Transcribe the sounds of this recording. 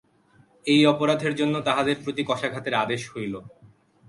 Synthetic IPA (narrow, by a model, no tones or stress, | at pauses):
ejɔpoɾad̪ʱeɾd͡ʑonːot̪aɦad̪eɾpɾot̪ikɔʃaɡʱat̪eɾad̪eʃhojlo